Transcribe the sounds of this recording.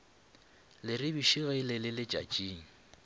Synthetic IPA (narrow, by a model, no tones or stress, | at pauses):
lɪrɪbiʃiɣeilɪlɪlɪt͡ʃʼat͡ʃʼiːŋ̩